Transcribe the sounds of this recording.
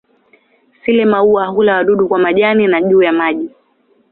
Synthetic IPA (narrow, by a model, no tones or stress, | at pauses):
silɛmauaːɦulawaɗuɗukwamaʄaninaʄuːjamaʄi